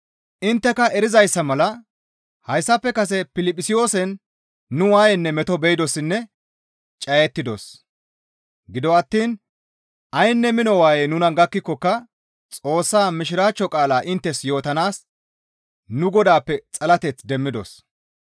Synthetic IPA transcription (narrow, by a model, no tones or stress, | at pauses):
ʔɪnt̪ːɛkɐʔɛɾɪzɐjsːɐmɐlɐ | hɐjsːɐpːɛkɐs̬ɛpɪlɪpʼːɪsɪjo̞ːsɛnː | ʊwaːjɛnːɛmɛt̪ɔbɛjɪd̪ɔsɪnːɛ | t͡ʃʼɐjɛt̪ːɪd̪o̰s | ɡɪd̪ɔɐt̪ːiːn | ʔɐjnːɛmɪnɔwaːjɛnʊnɐnɡɐkːɪkːɔkːɐ | t͡sʼo̞ːsːaːmɪʃɪɾaːt͡ʃːɔkʼaːlaːʔɪnt̪ːɛsjo̞ːt̪ɐnaːs | nʊɡɔd̪aːpːɛt͡sʼɐlɐt̪ɛt͡sd̪ɛmːɪd̪ɔ̰s